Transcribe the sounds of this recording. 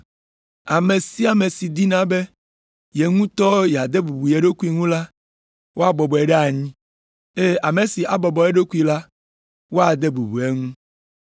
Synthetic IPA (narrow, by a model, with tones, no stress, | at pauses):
a˨me˨si˦a˨me˨si˨d̪i˦nã˨˦be˦ | je˨ŋũ˦t̪ɔ˦jɛ˨a˨d̪e˦bu˨bu˨je˨ɖo˦ku˦i˦ŋũ˦la˦ | wo˦a˨bɔ˨bɔ˨e˨ɖe˦a˨ɲĩ˦ | e˦a˨me˨si˨ʔa˨bɔ˨bɔ˨e˦ɖo˦ku˦i˨la˦ | wo˦a˨d̪e˦bu˨bu˨e˦ŋũ˦